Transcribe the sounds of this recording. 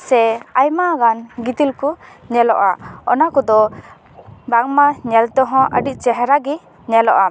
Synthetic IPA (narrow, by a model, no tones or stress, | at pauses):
sɛajmaɡanɡit̪ilkuɲɛlɔ̰ʔaɔnakɔd̪ɔ | baŋmaɲɛlt̪ɔɦɔ̃ʔə̰ɖiʔ̚t͡ʃɛɦɾaɡɛ | ɲɛlɔʔa